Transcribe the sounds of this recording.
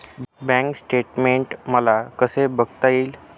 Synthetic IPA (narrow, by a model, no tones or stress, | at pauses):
bɛ̃ŋksʈeʈmeɳʈməlakəsebəɡt̪aiːl